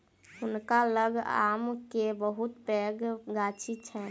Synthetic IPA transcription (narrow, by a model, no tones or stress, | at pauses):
ʊnkaləɡa̰ːmkebəɦʊt̪pɛːɡɡaːt͡ʃʰit͡ʃʰɛ